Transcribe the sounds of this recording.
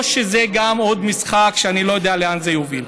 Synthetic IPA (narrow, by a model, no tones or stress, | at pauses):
ʃezeɡamo̞d̪misχakʃeanilo̞jodejaleanzejovil